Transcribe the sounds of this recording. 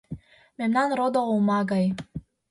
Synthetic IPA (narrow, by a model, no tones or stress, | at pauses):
memnɑnɾod̪oumɑɡɑj